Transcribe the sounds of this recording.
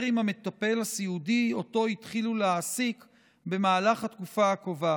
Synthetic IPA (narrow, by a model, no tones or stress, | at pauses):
ʁimame̞t̪ape̞lasiudio̞to̞itχiluleasik | be̞maːlaχhat̪kufaakova